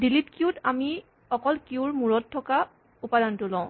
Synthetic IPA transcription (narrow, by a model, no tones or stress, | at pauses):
dilitkiutami | ɔkɔlkiuɹmuɹɔtʰːɔka | upadantʊlãʊ̃